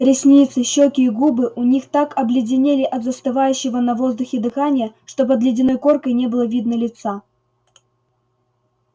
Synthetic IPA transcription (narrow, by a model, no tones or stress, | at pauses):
ɾʲɪsʲnʲit̪sɨɕːokʲɪːɡubɨʔʊnʲixt̪akɐblʲɪdʲɪnʲelʲɪʔɐt̪zəst̪ɨvajʉɕːɪvənɐvo̞zd̪ʊxʲɪd̪ɨxanʲɪjəʂt̪o̞p̬əd̪lʲɪdʲɪno̞jko̞rkəjnʲebɨlˠəvʲid̪nəlʲɪt̪sa